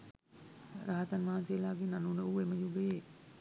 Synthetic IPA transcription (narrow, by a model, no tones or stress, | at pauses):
ɾaɦət̪anʋaɦansejəlaːɡenanunəueməjube